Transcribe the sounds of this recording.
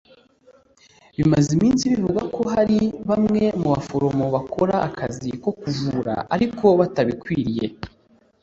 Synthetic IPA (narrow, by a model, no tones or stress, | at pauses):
βimazimiːnsiβivuɡako̞ɦaɾiβamŋe̞muβafo̞ɾo̞mo̞βakʰo̞ɾaʔːkʰaziko̞kuvuɾa̰ʔa̰ɾiko̞βataβikwiːɾije̞